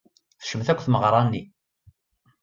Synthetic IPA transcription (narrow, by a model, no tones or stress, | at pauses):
θə̥ʃəmθækʷːθməʁɾˤɑnːi